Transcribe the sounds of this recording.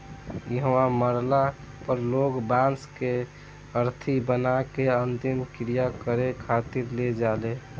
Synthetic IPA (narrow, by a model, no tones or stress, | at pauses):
jiɦwaməɾla | pəɾloɡbanske | əɾt̪ʰibənakeənt̪imkɾijakəɾekʰaːt̪iɾled͡ʒaːle